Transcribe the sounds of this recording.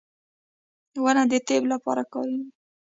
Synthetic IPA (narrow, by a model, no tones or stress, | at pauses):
wanad̪ət̪eblapɑ̰ɾakɑ̰ɾi